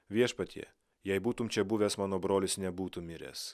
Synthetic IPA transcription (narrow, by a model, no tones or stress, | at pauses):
ʋʲiɛʃpɐt̪ʲʰḭɛ | jɛɪbuːt̪ʊmt͡ʃʲɛbuʋʲɛːsmɑːnoːbɾoːlʲɪsnʲɛbuːt̪ʊmʲɪɾʲḛːs